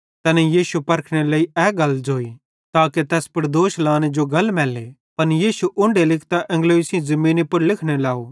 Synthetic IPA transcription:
t̪ɐnɛjiːʃupɐɾkʰɽ̃eləiɛːɡɐld͡ʒoːi | t̪aːket̪ɛːspɐɾd̪oːʃlaːñed͡ʒoɡɐlmɛːle | pɐnjiːʃuʔʊ̃ɳɖelɪkʰt̪aʔɛ̃ŋɡloːɪsiĩzɐmĩːnipʊɾlɪkʰɽ̃elaːoː

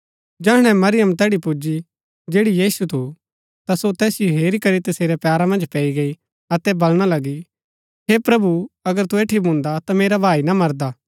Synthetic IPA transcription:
d͡ʒɛːɽ̃ɛ̃mɐɾɪjəmt̪ɛːɽipud͡ʒi | d͡ʒeːɽijiːsut̪ʰu | t̪asot̪ɛːsɪjoɦeːɾikɐɾit̪ɐseːɾɛpjaːɾamɐ̃nd͡ʒpɛːiɡɐi | ɐt̪ɛbɐlɽ̃alɐɡi | ɦepɾɐbuɐɡəɾt̪ueːʈʰibʱũnd̪at̪ameːɾabʱaːinamɐɾd̪aː

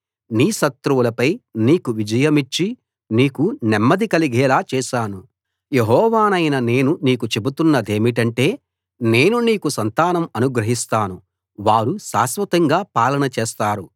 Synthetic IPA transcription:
niːʃɐt̪ɾuwulɐpɐjniːkuʋid͡ʒɐjɐmit͡ʃːi | niːkunɛmːɐd̪ikɐliɡɛːlaːt͡ʃɛːʃaːnu | je̞ɦɔːʋaːnɐjnɐne̞ːnuniːkut͡ʃe̞but̪unːɐd̪e̞ːmiʈɐɳʈe̞ː | ne̞ːnuniːkusɐnt̪aːnɐmɐnuɡɾɐɦist̪aːnu | ʋaːɾuʃa̰ːsʋɐt̪ɐŋɡaːpaːlɐnɐt͡ʃɛːst̪aːɾu

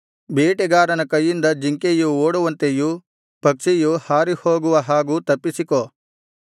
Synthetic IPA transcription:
biːʈeɡaːɾɐnɐkɐjːind̪ɐd͡ʒiŋkejuoːɽuʋɐnt̪eju | pɐkʂijuhaːɾihoːɡuʋɐɦaːɡut̪ɐpːisiko

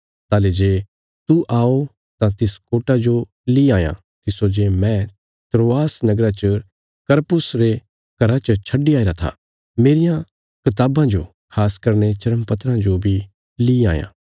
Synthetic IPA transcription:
t̪aːled͡ʒeː | t̪uʔaːo | t̪ãt̪ɪskoːʈad͡ʒo | liaːjã̰ | t̪ɪsod͡ʒeːmɛ̃ | t̪ɾoːaːsnɐɡɾat͡ʃə | kɐɾpʊsɾe | kɐɾat͡ʃət͡ʃʰɐɖiaːeɾat̪ʰa̰ | meːɾɪjã | kɪt̪aːbãd͡ʒo | kʰaːskɐɾnet͡ʃɐɾəmpɐt̪ɾãd͡ʒobʱi | lia̰ːjã̰ː

